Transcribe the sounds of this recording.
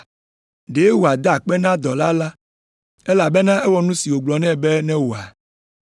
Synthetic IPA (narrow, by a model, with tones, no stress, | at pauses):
ɖe˨˦wo˨a˨d̪a˦˨k͡pɛ˦nã˦d̪ɔ˨la˦la˦ | e˦la˨bɛ˦nã˦e˦wɔ˦nũ˦si˨wo˨ɡ͡blɔ˨nɛ̃˦bɛ˦nɛ̃˦wo˨a˨